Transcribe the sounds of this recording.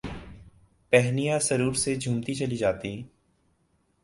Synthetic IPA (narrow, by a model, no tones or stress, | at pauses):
pɛɦnijasəɾuːɾsed͡ʒʱũːmt̪it͡ʃəlid͡ʒaːt̪i